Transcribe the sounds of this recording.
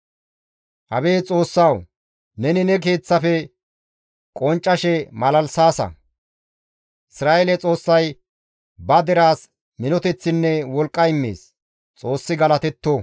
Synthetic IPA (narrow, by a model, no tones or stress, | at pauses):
ʔɐ̰be̞ːt͡sʼo̞ːsːɐw | nɛnɪnɛk̬e̞ːt͡sːɐfɛ | kʼɔnt͡ʃʼːɐʃɛmɐlɐlsaːsɐ̰ | ɪsɾaːʔɛlɛt͡sʼo̞ːsːɐj | bɐd̪ɛɾaːs | mɪnɔt̪ɛt͡sːɪnːɛwɔlkʼːɐɪmːḛːs | t͡sʼo̞ːsːɪɡɐlɐt̪ɛt̪ːo